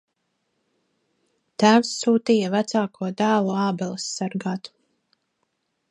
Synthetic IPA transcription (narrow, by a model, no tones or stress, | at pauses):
t̪æːwsːuːt̪iːjɐvæt̪saːkʰuɔd̪æːlˠuɑːbɛlˠɨsːaɾɡaːt̪